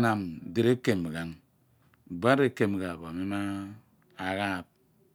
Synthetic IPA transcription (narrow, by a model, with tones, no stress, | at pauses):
na˨m˨de˨ɾe˦ke˨m˨ɡa˨ŋ˨ | ba˦ɾe˦ke˨m˨ɡa˨ba˨me˦ma˦ | a˨ɣa˦˨p̚